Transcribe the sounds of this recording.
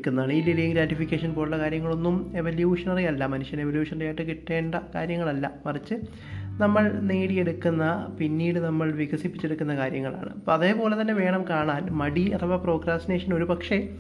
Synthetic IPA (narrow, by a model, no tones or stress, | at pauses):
kːunːɐaːɳililijŋɡɾaːʈːifikʲːeːʂɐnpo̞ːɽuɭːɐkaːɾjɐŋːɐɭo̞nːume̞ʋɐljuːʂɐnɐrijɐlːɐmɐnuʂjɐne̞ʋɐljuːʂɐnɐrijajiʈːɨkiʈːe̞ːɳɖɐka̰ːɾjɐŋːɐɭɐlːɐpɐrit͡ɕːɨ | nɐmːɐɭniːɽije̞ɽukːunːɐpinːiːɽɨnɐmːɐɭʋiɣɐsipːit͡ɕːeɽukːunːɐkaːɾjɐŋːɐɭa̰ːɳɨ̰pːɐðe̞ːpo̞ːle̞t̪ɐnːe̞ʋe̞ːɳɐmkaːɳaːnmɐɽiɐt̪ɐʋɐpro̞ːɡɾaːstine̞ːʂɐno̞ɾupɐkʂe̞